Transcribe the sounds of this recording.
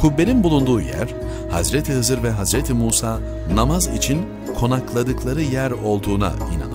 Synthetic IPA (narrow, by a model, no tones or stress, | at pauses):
kʰubːeɾinbulˠund̪uːjæ̰ɾ̥ | ha̰zɾet̪ʰiɦɯzɯɾvɛɦazɾet̪ʰimuːsaː | namazḭt͡ʃʰin | kʰo̞naklˠad̪ɯklˠaɾɯjæɾo̞lˠd̪uːna̰ḭna̰na